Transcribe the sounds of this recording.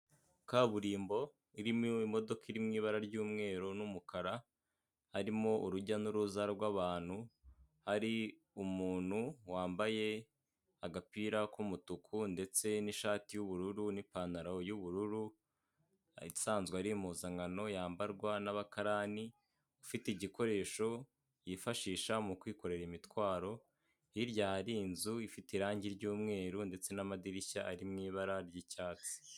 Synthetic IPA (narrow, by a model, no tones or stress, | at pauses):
kaːβuɾiːmbo̞ | iɾimimo̞do̞kiɾimŋiːβaɾaɾɟuːmŋe̞ːɾonumukʰaɾa | haɾimo̞ʔuɾuɟanuɾuzaɾɾɡwaβaːn̥hu | haɾi | umuːn̥huwaːmbaje̞ | aɡapiɾakumutukʰunde̞t͡se̞niʃaːtijuβuɾuɾunipaːnaɾajuβuɾuɾu | isaːnzɡweaɾimuzaŋɡano̞jaːmbaɾɡwanaβakaɾaːni | ufiteiɟiko̞ɾe̞ːʃo̞ | jifaʃiːʃamukwiːko̞ɾe̞ɾimitwaːɾo̞ | hiɾɟaɾinzuifitiɾaːɲɟiɾɟuːmŋe̞ːɾunde̞t͡se̞namadiɾiçaʔaɾimŋiːβaɾaɾɟicaːt͡si̥